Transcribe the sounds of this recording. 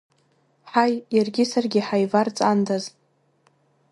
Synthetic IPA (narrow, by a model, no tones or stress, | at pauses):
ħajjarɡʲɪsarɡʲɪħajvart͡sʼandaz